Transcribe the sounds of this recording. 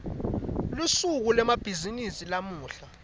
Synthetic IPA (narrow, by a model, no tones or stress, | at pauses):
lusuk̬ulɛmab̥ʱizinisilamuːɬa